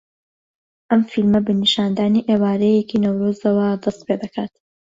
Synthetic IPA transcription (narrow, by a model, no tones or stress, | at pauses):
ʔɐmfilmɐbɨniʃaːnd̪aːniːʔeːwaːɾɐjekiːnɐwɾoːzɐwɐd̪ɐst̪̚peːd̪ɐkʰaːt̪